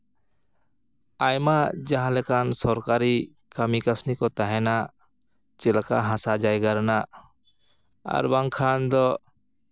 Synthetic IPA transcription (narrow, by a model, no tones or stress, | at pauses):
ajmad͡ʒaɦãlɛkansɔɾkaɾi | kamikasnikɔt̪aɦɛna | t͡ʃɛlakaɦãsad͡ʒajɡaɾna | a̰ɾbaŋkʰand̪ɔ